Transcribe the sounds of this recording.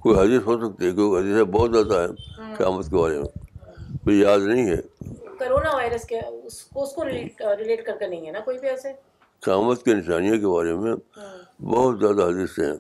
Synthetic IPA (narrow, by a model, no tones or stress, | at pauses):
koːiɦɐd̪əsɦosɐk̚t̪eɦɛkokɦɐd̪əsebɔːʊt̪zjaːd̪aɦɛqɪjaːmət̪kebaːɾemḛ̃koijaːd̪nɐɦĩɦɛ̰ːkoːɾoːnaʋaːɪɾəskaʊskoʊskoɾɪleːʈɾɪleːʈkɐɾkenɐɦĩɦɛnakoːibiɛːse | qɪjaːmət̪kenɪʃaːnijõkebaːɾemẽbɔɦʊt̪zjaːd̪aɦɐd̪əseɦɛ̰̃ː